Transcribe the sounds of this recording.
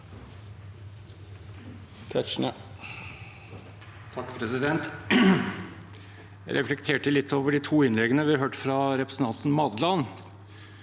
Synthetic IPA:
kʰæʂɳə | t̪ʰɑkːpʰɾɛsɪd̪ɛnt̪ | æɪɾʔɛflɛkt̪ʰeːʈəlɪt̪ːoːʋəɖiːt̪ʰuːɪnlɛɡənəʋɪɑɾɦøːʈfɾɑɾɛpɾəsn̩t̪ɑnt̪n̩mɑd̪lɑn

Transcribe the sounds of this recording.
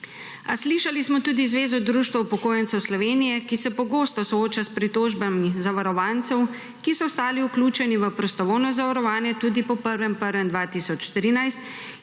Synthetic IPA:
asliːʃalismɔt̪uːd̪izʋeːzɔd̪ɾuːʃt̪ʋɛupɔkoːjɛnsɛwslɔʋeːnijɛkisɛpɔɡoːst̪ɔsɔoːt͡ʃaspɾit̪oːʒbamizaʋaɾɔʋaːnt̪sɛw | kisɔst̪aːliukluːt͡ʃɛniʋəpɾɔst̪ɔʋownɔzaʋaɾɔʋaːnjɛt̪uːd̪ipɔpəɾʋɛmpəɾʋɛmd̪ʋaːt̪iːsɔt͡ʃt̪ɾiːnajst̪

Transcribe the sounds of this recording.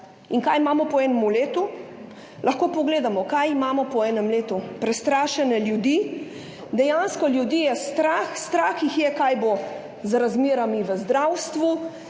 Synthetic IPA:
iŋkajimaːmɔpɔɛːnɛmuleːt̪u | lʔɐxkoːpɔɡleːd̪amɔkajimaːmɔpɔɛːnɛmleːt̪upɾɛst̪ɾaːʃɛnɛljud̪iː | d̪ɛjanskɔljud̪ijɛst̪ɾaːxst̪ɾaːxjixjɛkajbo | zɾazmeːɾamiʋəzd̪ɾawst̪ʋu

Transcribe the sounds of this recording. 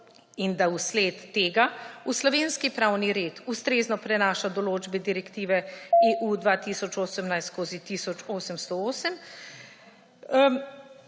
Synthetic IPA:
ind̪ausleːt̪ːeːɡauslɔʋeːnskipɾaːwniɾeːt̪ust̪ɾeːznɔpɾɛnaːʃad̪ɔloːd͡ʒbɛd̪iɾɛkt̪iːʋɛeːʔud̪ʋaːt̪iːsɔt͡ʃoːsəmnajst̪skoːzit̪isɔt͡ʃoːsəmst̪ɔoːsəm

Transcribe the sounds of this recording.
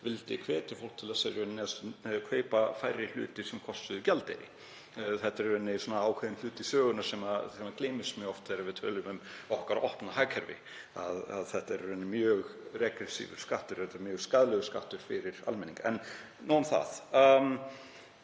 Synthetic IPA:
vɪlt̪ɪkʰvɛːt̪ɪfowl̥t̪ʰɪlasɛɾɛnːɪaskʰveːjpafajɾɪl̥ʏ̰ːt̪ɪsɛmkʰɔst̪ʏðʏcalt̪eɾɪ̰ | θɛht̪ːaɾɛnːɪsɔnaaːwkʰvɛːðɪnl̥ʏːt̪ɪsœːɣʏnaɾ̥sɛːmaɛːmakleːjmɪsmjœːɣɔft̪θeɾavɪt̪ʰœːlʏmʏmɔhkaɾɔ̰hpnaɦajkʰɛɾvɪ̰ | a̰ða̰ðθɛht̪aɛɾɛnːɪmjœːɣrɛkɾɛsḭvʏ̰̥skaht̪ʏɾ̥θɛht̪ːaɾmjœːɣskaðlɛɣʏska̰ht̪ʏɾ̥fɪɾɪɾa̰lmɛnĩŋkaɛn | nuːamθa̰ð̥

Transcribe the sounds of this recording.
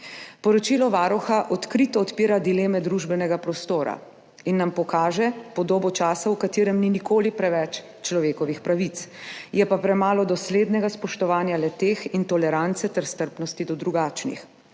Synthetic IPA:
pɔɾɔt͡ʃilɔʋaːɾɔxaʔɔt̪kɾit̪ɔɔt̪piːɾad̪ilemɛd̪ɾuʒbɛnɛɡapɾɔst̪oːɾa̰ | inːampɔkaːʒɛpɔd̪oːbɔt͡ʃaːsawkat̪iːɾɛmninikoːlipɾɛʋɛt͡ʃ | t͡ʃlɔʋeːkɔʋixpɾaʋit̪sjɛpapɾɛmaːlɔd̪ɔsleːd̪nɛɡaspɔʃt̪ɔʋaːnjalɛt̪eːxint̪ɔlɛɾant̪sɛt̪ɛɾst̪əɾpnɔst̪id̪ɔd̪ɾuɡaːt͡ʃnḭx

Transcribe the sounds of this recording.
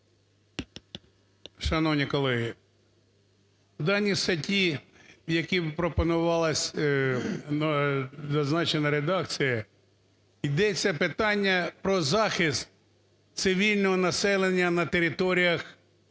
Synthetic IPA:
ʃɐnɔwnʲikɔlˠɛɦi | wd̪ɑnʲːist̪ɐtʲijɐkʲipɾɔpɔnʊʋɑlˠɐsʲ | nzɐznɑt͡ʃenɐɾed̪ɑkt͡sʲijɐ | jd̪ɛt͡sʲːɐpɪt̪ɑnʲːɐpɾɔzɑxɪst̪̚ | t̪sɪʋʲilʲnɔɦɔnɐsɛlˠenʲːɐnɐt̪eɾɪt̪ɔɾʲijɐx

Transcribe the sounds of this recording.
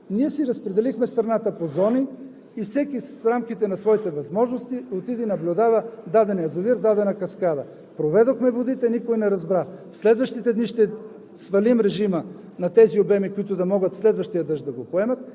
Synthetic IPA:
niɛsiɾɐspɾɛd̪ɛlixmɛst̪ɾɐnat̪əpozɔniː | fsɛkisɾamkit̪ɛnɐsvɔit̪ɛvɐzmɔʒnost̪iot̪id̪inɐblʲʊd̪avəd̪ad̪ɛnɛjɐzoviɾd̪ad̪ɛnɐkɐskad̪ɐ | pɾovɛd̪oxmɛvod̪it̪ɛnikojnɛɾɐzbɾafslɛd̪vɐʃt̪it̪ɛd̪niʃt̪ɛ | svɐlimɾɛʒimə | nɐt̪ɛziobɛmikoit̪ʊd̪ɐmɔɡət̪fslɛd̪vɐʃt̪ijəd̪əʃd̪ɐɡopoɛmɐt̪̚

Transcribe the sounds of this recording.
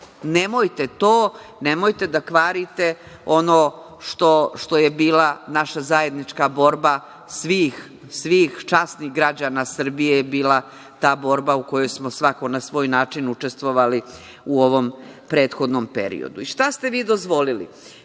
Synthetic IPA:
ne̞mojt̪et̪oːnemo̞jt̪e̞d̪akʋaːɾit̪e̞ | o̞no | ʃt̪o̞ʃt̪o̞jebiːlanaʃazaje̞d̪nit͡ʃkabo̞ːɾba | sʋiːx | sʋiːxt͡ʃasniɣɡɾad͡ʑanasr̩bijejebiːlˠa | t̪aːbo̞ɾbaukojo̞jsmosʋako̞nasʋo̞ːjnaːt͡ʃinut͡ʂe̞st̪ʋo̞ʋali | uo̞ʋo̞mpɾe̞ːt̪xo̞d̪nompḛɾḭo̰d̪uiʃʂt̪ast̪e̞ʋiːd̪o̞zʋo̞lilḭ

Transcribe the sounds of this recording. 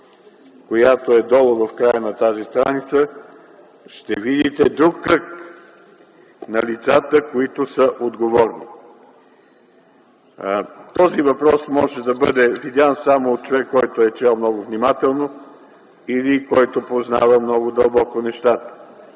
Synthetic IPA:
kojat̪oɛd̪ɔlˠəvɐfkɾajənɐt̪azist̪ɾanit̪sə | ʃt̪ɛvid̪it̪ɛd̪ɾukːək | nɐlit̪sat̪əkoit̪ʊsəʔod̪ɡovɔɾnḭ | t̪ɔzivɐpɾɔsmɔʒɛd̪ɐbəd̪ɛvid̪jansamoːt̪̚t͡ʃovɛkːɔjt̪ʊɛt͡ʃɛlˠmnɔɡʊvnimat̪ɛlˠno | ilikɔjt̪opozna̰vəmnɔɡʊd̪ɐlˠbɔkonɛʃt̪at̪ə̥

